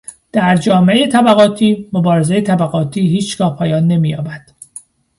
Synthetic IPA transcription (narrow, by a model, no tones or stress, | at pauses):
d̪̥æɾd͡ʒɒːmeejet̪ʰæbæɣɒːt̪ʰiːmobɒːɾe̞zejet̪ʰæbæɣɒːt̪ʰiːɦiːt͡ʃɡ̥ɒːhpʰɒːjɒːnːe̞miːjɒːbæd̪̥